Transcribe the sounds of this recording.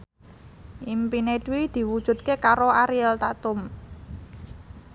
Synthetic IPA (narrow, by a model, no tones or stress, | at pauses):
ʔimpineɖ̥uwid̪̥i̤wud̥ʒ̥ṳt̪̚kekaɾoaɾijɛlt̪at̪ʊm